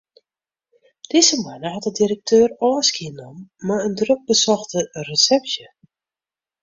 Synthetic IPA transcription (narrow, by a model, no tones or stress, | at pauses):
d̥ɪzəmanəɦɔtədirək̚tʰøːrɔːskiənɔmːaəndrøk̚bəsɔxtərəsɛpsjə